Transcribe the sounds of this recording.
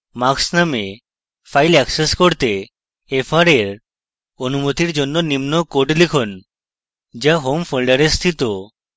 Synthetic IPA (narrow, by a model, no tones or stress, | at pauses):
maksname | fʰajlɛkseskoɾt̪e | efʰaɾeɾ | onumot̪iɾd͡ʑonːonimnokoʈlikʰon | d͡ʑaɦomfʰolɖaɾest̪ʰit̪o